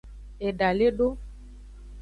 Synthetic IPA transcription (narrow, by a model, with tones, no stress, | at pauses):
ɛ˨ɖa˨le˦ɖo˦